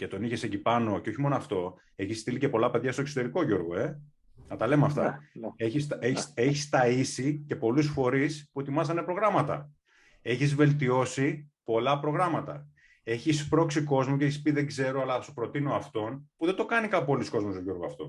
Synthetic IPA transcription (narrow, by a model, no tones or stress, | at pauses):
ce̞t̪o̞niçeseɟipɐno̞ceo̞çimo̞noɐft̪o̞ | e̞çisːt̪ilice̞po̞lɐpeðʝɐst̪o̞kso̞t̪e̞ɾiko̞ʝo̞ɾɣo̞e | nɐt̪ɐle̞moɐft̪ɐ̰eçiseçseçist̪ɐisice̞po̞lusfo̞ɾispue̞t̪imɐzɐne̞pɾo̞ɣɾɐmɐt̪ɐ̰ | e̞çizve̞lt̪io̞sipo̞lɐpɾo̞ɣɾɐmɐt̪ɐ̰ | e̞çispɾo̞ksiko̞zmoceeçispiðe̞ɡze̞ɾo̞ɐlɐsupɾo̞t̪inoɐft̪o̞npuðed̪o̞kɐnikɐppolisko̞zmost̪oʝo̞ɾɣoɐft̪o̞̰